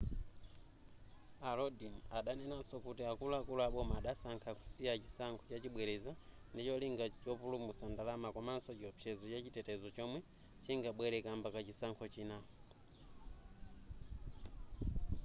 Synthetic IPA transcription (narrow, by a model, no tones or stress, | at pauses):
alodinaɗanenasokutiakulakulaɓomaɗasaŋkʰaku̥siat͡ʃisaŋkʰot͡ʃat͡ʃiɓweleza | ndit͡ʃoliŋɡat͡ʃopulumusandalamakomansot͡ʃopjezot͡ʃet͡ʃitetezot͡ʃomwe | t͡ʃiŋɡaɓwelekaːmbakat͡ʃisaŋkʰot͡ʃina